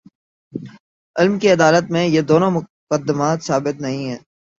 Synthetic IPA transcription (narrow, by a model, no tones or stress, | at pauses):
ɪlmkiɐd̪aːlət̪̚mẽjed̪oːnõmʊkəd̪ːəmaːt̪saːbɪt̪nɐɦĩɦɛː